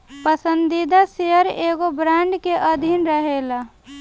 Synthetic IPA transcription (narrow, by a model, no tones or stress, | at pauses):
pəsə̃nd̪id̪aseəɾeːɡobɾaːɳɖkeʔəd̪ʱinɾəɦela